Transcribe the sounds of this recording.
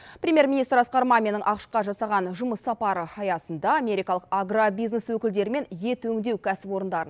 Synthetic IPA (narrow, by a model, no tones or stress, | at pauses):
pɾʲemʲje̞ɾminijst̪ɾɑsqɑɾmɑmʲenəɴʔɑqəʃqɑʒɑsɑʁɑnʒʊməsːɑpɑɾəɑjɑsənd̪ɑamʲe̞ɾʲijkɑlˠəqaɡrabijzneswɵkʲɪld̪e̞ɾɪme̞nje̞t̪ɵŋd̪e̞wkʲʰæsɪpwo̞ɾənd̪ɑɾən